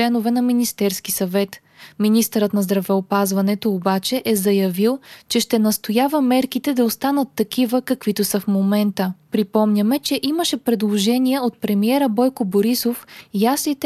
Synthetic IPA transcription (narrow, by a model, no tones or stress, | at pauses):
ɛnovɛnɐminist̪ɛɾsk̟isɐvɛt̪ | minist̪əɾət̪nɐzd̪ɾɐvɛopazvɐnɛt̪oːbat͡ʃɛʔɛzɐjɐvilˠt͡ʃɛʃt̪ɛnɐst̪ojavəmɛɾkit̪ɛd̪ɐost̪anət̪ːɐk̟ivəkɐkvit̪osəfmomɛnt̪əpɾipɔmnʲəmɛt͡ʃɛʔiməʃɛpɾɛd̪lˠoʒɛniɛot̪̚pɾɛmiɛɾəbɔjkoboɾisofjasnit̪ɛ